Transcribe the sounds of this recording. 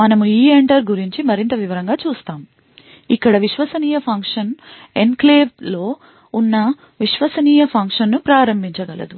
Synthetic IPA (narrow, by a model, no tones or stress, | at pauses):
mɐnɐmuiːeɳʈɐɾɡuɾiɲt͡ʃimɐɾint̪ɐʋiʋɐɾɐŋɡaːt͡ʃuːst̪aːm | ikːɐɽɐʋiʃʋɐsɐniːjɐpʰɐŋkʂɐnenkleːʋlo̞ː | unːɐ | ʋiʃʋɐsɐniːjɐpʰɐŋkʂɐnːupɾaːɾɐmbʱiɲt͡ʃɐɡɐlɐ̰d̪u